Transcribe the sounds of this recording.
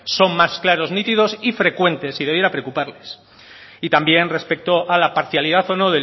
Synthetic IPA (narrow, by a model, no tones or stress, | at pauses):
so̞ŋmasklaɾo̞znĩt̪iðo̞sifɾe̞kwe̞nt̪e̞sːið̞e̞β̞je̞ɾapɾeokupaɾle̞s | it̪ambje̞nre̞spe̞k̚t̪o̞ʔalapaɾθjaliðaθo̞no̞ðe